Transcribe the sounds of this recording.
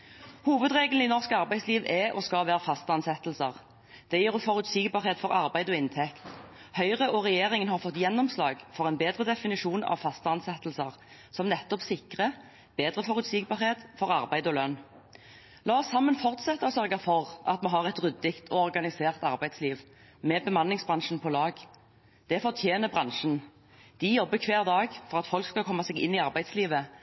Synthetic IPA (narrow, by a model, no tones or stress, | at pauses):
huːʋəd̪ʁeːɡl̩inɔʁskɑʁbæɪsliːʋʔɛʔɔskɑlʋæːʁəfɑst̪əɑnsɛt̪l̩səʁ | d̪̥ɛjiːʁfɔʁʉt̪siːɡbɑːʁheːt̪fɔʁɑʁbæɪd̪ɔːɪnt̪ʰɛkt̪ | hœʏʁəʔɔʁɛjeːʁɪŋənhɑʁfɔt̪ːjɛnːɔmslɑ̰ːɡfɔʁɛnbeːd̪ʁəd̪ɛfɪnɪʂuːnɑ̰ʋfɑst̪əɑnsɛt̪l̩səʁ | sɔmnɛt̪ːɔpsɪkʁə | b̥eːd̪ʁəfɔʁʉt̪siːɡ̚bɑːʁheːt̪fɔʁɑʁbæɪd̪ɔlœn | lɑːɔsːɑmːənfɔʁt̪sɛt̪ːəɔsœʁɡɑfɔʁʔɑ̰t̪mɑnɦɑʁɛt̪ʁʏd̪ːɪkt̪ʰɔɔʁɡɑnɪseːʁt̪ɑʁbæɪd̪sliːʋ | mɛbəmɑnlɪŋsbʁɑnʂənpʰɔlɑːɡ | d̪̥ɛfɔʁt̪ʰjeːnəbʁɑŋʂən | d̪̥ɪjɔbːəkʰʋeːʁd̪ɑːɡfɔʁɑt̪fɔlkskɑkʰɔmːɑsɛːɡɪ̰nːiːɑʁbæɪd̪sliːʋə